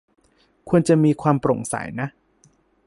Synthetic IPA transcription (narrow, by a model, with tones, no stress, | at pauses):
kʰu˧ənt͡ɕa˨miː˧kʰwaː˧mpɾo˨˩ŋsa̰˨˩˦jna˦˥ʔ